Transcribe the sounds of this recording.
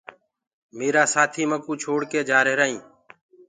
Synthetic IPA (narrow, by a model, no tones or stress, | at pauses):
meːɾaːsaːt̪ʰiːməkuːt͡ʃʰoːɽkeːd͡ʒaːɾeːɾaːĩː